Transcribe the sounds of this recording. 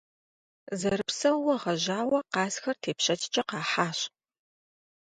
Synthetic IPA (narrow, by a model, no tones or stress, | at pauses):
zɐɾɨpsɐwwɐʁɐʑaːwɐqɑːsxɐrtʰeːpɕɐt͡ʃʰʼt͡ʃʼɐqɑːħaːɕ